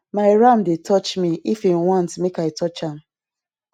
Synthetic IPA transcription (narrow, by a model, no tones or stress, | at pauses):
maɪɹãmdetʰɔt͡ʃmiifĩmwɔ̃ntmekaɪtɔt͡ʃãm